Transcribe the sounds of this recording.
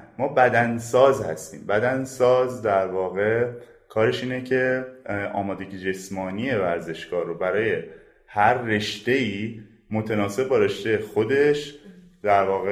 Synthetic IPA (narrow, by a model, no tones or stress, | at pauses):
mɒːbæd̪ænsɒːzhæ̰st̪ḭːmbæd̪ænsɒːzd̪æɾvɒːɣe̞ | kʰɒːɾe̞ʃiːnecʰe̞ʔɒ̰ːmɒːd̪e̞ɟid͡ʒe̞smɒːniːje̞væɾze̞ʃɡ̥ɒːɾːobæɾɒːje̞ | hæɾːe̞ʃt̪e̞iː | mo̞t̪ʰenɒːse̞b̚ːbɒːɾe̞ʃt̪ejexo̞d̪e̞ʃ | d̪̥æɾvɒːɣe